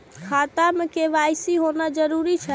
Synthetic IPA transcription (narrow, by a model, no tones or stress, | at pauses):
kʰat̪amekeʋajsiɦonad͡ʒəɾuɾit͡ʃʰɛ